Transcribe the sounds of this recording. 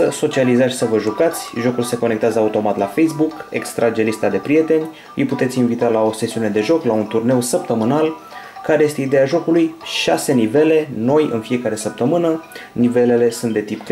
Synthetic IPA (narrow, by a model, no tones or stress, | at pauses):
əso̞t͡ʃializat̪sʲsəvəʒukat̪sʲʒo̞kulse̞ko̞nekt̪eazəaut̪o̞mat̪lafejsbuke̞̰kst̪ɾʔad͡ʒe̞list̪ad̪e̞pɾije̞t̪e̞nʲ | ɨjput̪et̪sʲinvit̪alao̞se̞siune̞d̪e̞ʒo̞klaunt̪urne̞wsəp̚t̪əmɨnal | kaɾe̞je̞st̪e̞id̪e̞aʒo̞kulujʃa̰se̞nive̞le̞no̞jɨ̰nfije̞kaɾe̞səp̚t̪əmɨnənive̞le̞le̞sunt̪d̪e̞t̪ipk